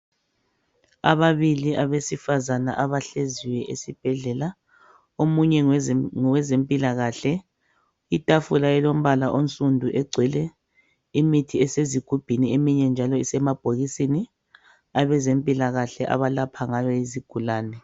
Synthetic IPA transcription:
a̰βaβiliaβesifazanaʔaβaɬeziwɛʔesib̥ʱɛɮɛla | omuɲɛŋɔwɛzempʼilaɣaɬɛ | itʼafulajɛlom̩βalaʔonsʼundʱuʔɛɡ͡ǀʱwɛlɛ | imitʰiɛseziɡ̥ʱub̥ʱiniemiɲɛnd͡ʒʱalɔisɛmab̥ʱoɣisini | aβɛzempʼilaɣaɬɛʔa̰βalapʰaŋaβɔiziɡ̥ʱulaːnɛ

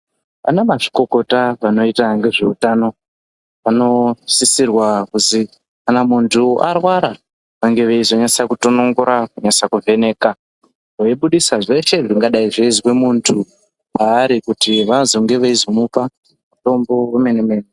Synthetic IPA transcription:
panamaʐiko̞ko̞taʋano̞itaŋɡe̞ʐe̞utano̞ | pano̞sisirwakuzi | kanamuntʰuarwaɾa | ʋaŋɡe̞ʋeizo̞ɲait͡sakuto̞no̞ŋɡoɾakuɲat͡sakuve̞ne̞ːka | oiɓuɗisaʐe̞ʃe̞ʐiŋɡaɗaiʐeiziwemuːntʰu | maːɾikutiʋazo̞ŋɡe̞ʋeizo̞mupa | muto̞mbo̞weme̞nemeːne

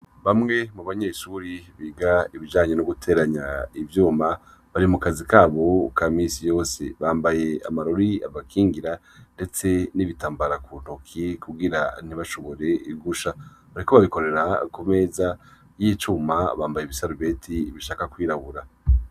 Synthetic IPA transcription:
βamŋe̞muβaɲe̞ːʃuɾiβiːɡaiβid͡ʒaːɲe̞noɡutʰe̞ːɾaɲaivjuːma | βaɾimukazikaːβo̞kamisijo̞ːsḛβaːmbaje̞a̰maɾoɾia̰βakʰiːŋɡiɾa | nde̞t͡se̞niβitaːmbaɾakun̥hokʰikuɡiɾan̥iβaʃoβo̞ɾe̞iɡuʃaβaɾiko̞βaβiko̞ɾe̞ɾakume̞ːza | jit͡ʃuːmaβaːmbajeβisaɾuβe̞tʰiβiʃaːkakwiːɾaβuɾa

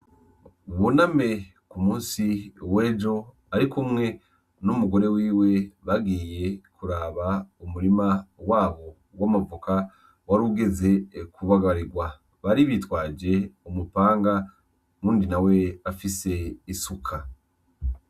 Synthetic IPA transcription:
βuname̞ | kumuːnsiwe̞ːd͡ʒo̞ | aɾikumŋe̞ | numuɡo̞ɾe̞wiːwe̞βaɡiːje̞kuɾaːβaumuɾimawaːβo̞ | wamuvukʰa | waɾuːɡe̞ze̞kʰuβaɡaɾiɡwa | βaɾiβitwaːd͡ʒe̞umupaːŋɡa | muːndinawe̞afise̞isukʰa

